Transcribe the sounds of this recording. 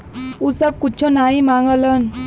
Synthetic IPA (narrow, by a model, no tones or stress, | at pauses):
usəkːut͡ɕʰɔnaimãŋɡlən